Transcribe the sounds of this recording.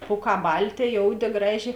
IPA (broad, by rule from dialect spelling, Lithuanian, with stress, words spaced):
ˈpuːˌkɑː ˈbɐlʲˌtʲeː ˈjoːʊˌdʲeː ˈɡrɑːˌʒʲeː